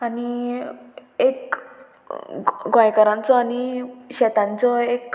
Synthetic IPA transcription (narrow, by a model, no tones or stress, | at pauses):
ani | ek | ɡɔ̃jkaɾãnt͡sɔañiɕɛt̪ãnt͡sɔek